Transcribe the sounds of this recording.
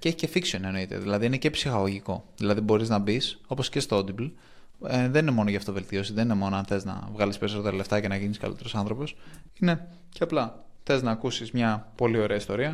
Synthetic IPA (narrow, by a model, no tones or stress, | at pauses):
ceçi̥ce̞fiksioneno̞it̪ḛðilɐðiine̞ce̞psixɐɣo̞ʝiko̞ðilɐðibo̞ɾiznɐbiso̞po̞sce̞st̪ood̪ibl | ðenine̞mo̞noʝɐːft̪ove̞lt̪io̞siðe̞ninemo̞noɐnθe̞znɐ̰vɣɐlispe̞ɾiso̞t̪e̞ɾɐle̞ft̪ɐce̞nɐʝiniskɐ̰lḭt̪e̞ɾosɐnθɾo̞po̞sine̞ | ceɐplɐθe̞znɐːkusizmɲɐpo̞lio̞ɾe̞ɐist̪o̞ɾiɐ